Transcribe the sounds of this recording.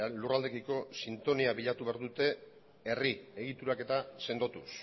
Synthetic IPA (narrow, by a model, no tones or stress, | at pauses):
lurald̪e̞kiko̞sint̪o̞niaβiʎat̪uβeaɾðut̪e̞ | erie̞ɣ̞it̪uɾake̞t̪ase̞nd̪o̞t̪us